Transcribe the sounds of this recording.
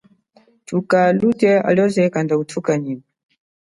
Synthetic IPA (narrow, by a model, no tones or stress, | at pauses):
tukalutɛa̰lɔzɛkandautʰukaɲima